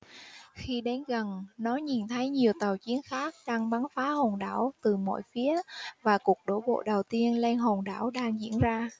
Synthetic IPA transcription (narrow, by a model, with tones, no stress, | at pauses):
xi˧ɗe˨˦nɣə˨˩nnɔ˨˦ɲi˨˩nt̪ʰə˨˦jɲi˨˩əwt̪a˨˩wt͡ɕi˨˦ənxaː˦˥k̚ɗaː˧ŋɓa˨˦nfaː˨˦ho˨˩nɗaː˧˩wt̪ɨ˨˩mɔ̰˧˨jfi˨˦əvaː˨˩ku˨˩ək̚ɗo̰˧˩ɓo̰˧˨ɗə˨˩wt̪i˧ənlɛ˧nɦo˨˩nɗa̰ː˧˩wɗaː˧ŋzḭ˧˥ənzaː˧